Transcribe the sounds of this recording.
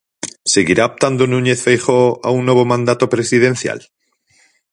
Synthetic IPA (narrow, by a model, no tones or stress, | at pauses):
se̞ɣiɾaop̚t̪and̪onũɲeθfejχoa̰unːe̞β̞omãnd̪at̪opɾesiðẽ̞n̟θja̰l